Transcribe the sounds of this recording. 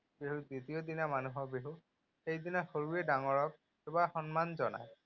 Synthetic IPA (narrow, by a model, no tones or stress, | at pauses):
beɦuditijodinamanuɦɔbeɦu | xejdinaxoɹuedaŋɔɹɔk̚ | kebaxɔnmanzɔna̰j